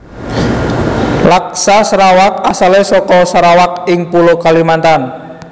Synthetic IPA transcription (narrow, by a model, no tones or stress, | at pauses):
lak̚sasɾawak̚asalesɔkɔsəɾawak̚ɪŋpulokalimant̪an